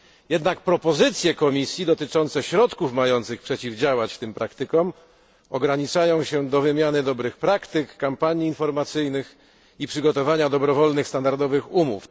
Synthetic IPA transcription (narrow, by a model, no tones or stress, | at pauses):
jɛd̪nak̚pɾɔpɔzɘt̪sʲjɛkɔmʲisʲjid̪ɔt̪ɘt͡ʂɔnt̪sɛɕɾɔt̪kufmajɔnt̪sɘxpʂɛt͡ɕivd͡ʑawat͡ɕft̪ɘmpɾakt̪ɘkɔm | ɔɡɾaɲit͡ʂajɔ̃w̃ɕɛd̪ɔvɘmʲjanɘd̪ɔbɾɘxpɾakt̪ɘkːampaɲiːnfɔɾmat̪sɘjnɘx | ipʂɘɡɔt̪ɔvaɲad̪ɔbɾɔvɔlnɘxst̪and̪aɾd̪ɔvɘxumṵf